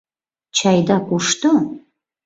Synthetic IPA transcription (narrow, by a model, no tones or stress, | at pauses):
t͡ʃʰajd̪akʷʼuʂtʰo